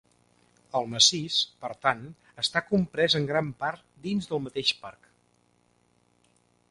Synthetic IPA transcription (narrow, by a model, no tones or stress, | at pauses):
əlˠməsispəɾt̪an | əst̪akumpɾɛzəŋɡɾampart̪̚d̪inzðəlˠmət̪eʃpark